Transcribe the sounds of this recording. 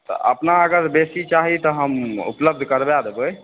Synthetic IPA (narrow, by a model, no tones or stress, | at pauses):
t̪ɔ̰ʔə̰pnaːɡəɾbesit͡ʃaɦit̪ɔɦəmṵpləbd̪ʱkəɾbead̪eboj